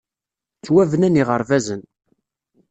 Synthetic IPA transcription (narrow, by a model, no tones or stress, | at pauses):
t͡sːwævənæniʁəɾˤvæzən